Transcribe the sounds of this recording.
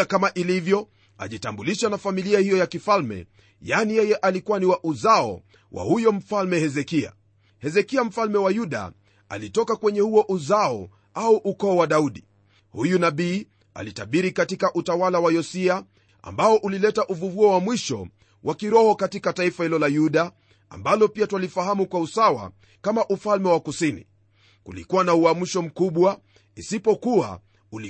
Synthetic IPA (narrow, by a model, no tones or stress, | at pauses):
kamaʔilivjɔ | a̰ʄitambuliʃanafamiliahijɔjakifalmɛ̰ | janijɛjɛʔalikuwaniwaʔuzaɔ̰ | wʔa̰hujɔm̩falmɛhɛzɛkia̰ | hɛzɛkiam̩falmɛwajuɗa̰ | a̰litɔkakwɛɲɛhuɔʔuzaɔ | auʔukɔːwaɗauɗi | hujunaɓiː | a̰litaɓiɾikatikaʔutawalawajɔsia | a̰mbaɔʔulilɛtaʔuvuvuɔwamwiʃɔ̰ | wʔakiɾɔhɔkatikataifahilɔlajuɗa | a̰mbalɔpiatwalifahamukwausawa̰ | kamaʔufalmɛwakusinḭ | kulḭkuwanauam̩ʃɔm̩kuɓwa | isipɔkua̰ | uli